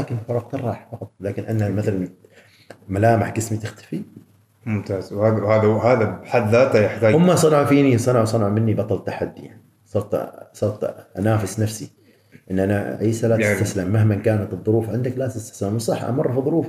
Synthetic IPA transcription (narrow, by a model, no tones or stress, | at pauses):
laːkɪnfɑɾˤɑq̚t̪ɑrˤːɑːħfɑqɑt̪ˤlaːkɪnʔanːamaθalan | malaːmaħɡɪsmit̪ɪxt̪ḁfi | mʊmt̪aːz̥whaːðahaːðaɦaːðaħad̪ːaːt̪ajɪħt̪aːhʊmːasˤɑnɑʕfiːnisˤɑnɑʕsˤɑnʕmɪnːibɑt̪ˤɑlt̪ːaħad̪ːijaʕni | sˤɑɾˤt̪sˤɑɾˤt̪ʔanaːfɪsnafsi | ʔɪnːʔanaʕeːsalat̪t̪aslamːaɦmankaːnat̪ɨðˤːʊɾuːfʕɪnd̪aklaːt̪ɪst̪ḁslamwsˤɑħːʔa̰mɑrˤːfiðˤʊɾuːf